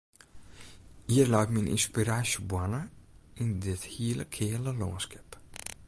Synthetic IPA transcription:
hiːəlawtminʔḭnspiɾaːʃəbwanəɪndɪthiːləkʰeːləlɔːnskɛp

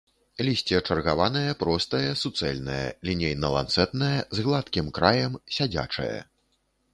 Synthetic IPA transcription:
lʲisʲt͡sʲɛt͡ʂɐrɣavanɐjɐpɾɔst̪ɐjɐsut̪sɛlʲnɐjɐ̰lʲinʲejnɐlˠa̰nt̪sɛt̪nɐjɐzɣlˠat̪kʲimkɾajɐmsʲad͡zʲa̰t͡ʂɐ̰jɐ̰

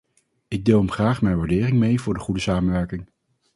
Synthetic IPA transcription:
ɪɡ̚dɪːlˠɦəmχraːχmɛjnʋaːɹdɪːrɪŋmejvʊːɹdəχudəsaːmənʋɛɹkɪŋ

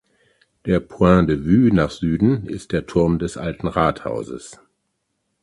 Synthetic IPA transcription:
d̥eːɐpʰuɛ̃devyːnaːχz̥yːdn̩ɪst̚d̥eːɐtʰʊɐmdɛsʔaltn̩ʁaːtha̰ʊzə̰s

